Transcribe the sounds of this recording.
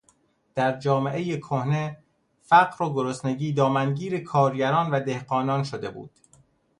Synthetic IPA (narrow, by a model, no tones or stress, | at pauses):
d̪̥æɾd͡ʒɒːme̞ʔejekʰohne̞ | fæɢɾoɡoɾosneɟiːd̪ɒːmænɟiːɾe̞kʰɒːɾɟæɾɒːnvæd̪e̞hɢɒːnɒːnʃod̪e̞bṵːd̪̥